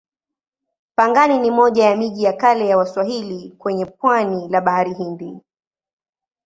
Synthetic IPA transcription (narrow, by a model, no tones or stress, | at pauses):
paŋɡaninimɔʄajamiʄijakalɛjawaswaɦilikwɛɲɛp̚wanilaɓahaɾiɦindi